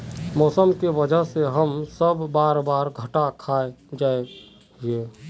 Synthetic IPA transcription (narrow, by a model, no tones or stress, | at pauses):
mɔːsəmkebəd͡ʒəɦseɦəmsəbːaːɾbaːɾɡʱəʈakʰaed͡ʒae | e